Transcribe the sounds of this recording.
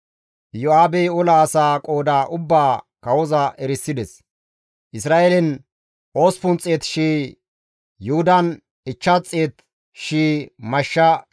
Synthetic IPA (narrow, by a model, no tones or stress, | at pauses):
jɔaːbɛjʊlaːsaːkʼo̞ːd̪aːʔʊbːaːkɐwɔzɐʔɛɾɪsːɪd̪ɛs | ʔɪsɾaːʔelɛn | ʔoːspʊnt͡sʼeːt̪ʃiː | jʊhʊd̪ɐn | ɪt͡ʃːɐt͡sʼːeːt̪ | ʃiːmɐʃːɐ